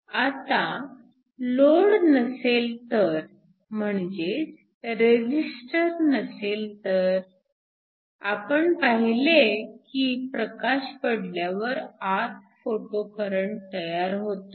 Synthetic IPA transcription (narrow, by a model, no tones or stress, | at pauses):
at̪a | loɽnəselt̪əɾ | m̤əɳd͡ʑet͡s | ɾed͡ʑisʈəɾnəselt̪əɾ | a̰pəɳpaɦilekipɾəkaɕpəɽljaʋəɾat̪̚foʈokəɾəɳt̪əjaɾɦot̪o